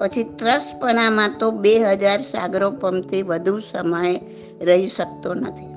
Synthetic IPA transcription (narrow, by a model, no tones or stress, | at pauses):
pət͡ʃʰit̪ɾəspəɳ̃amãt̪obeɦəd͡ʒaɾsa̰ɡɾopəmt̪ʰiʋəd̪ʱusəməj | ɾəɦiʃək̚t̪onə̰t̪ʰi